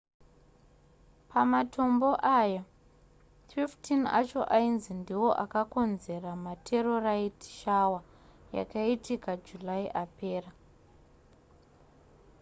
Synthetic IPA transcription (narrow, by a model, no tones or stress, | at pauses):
pamatʰo̞mbo̞ʔaja | fiftina̰t͡ʃo̞ʔainzindiwo̞ʔakako̞nze̞ramatʰe̞ro̞raitʃawa | ja̰kaitikad͡ʒulaiʔape̞ːra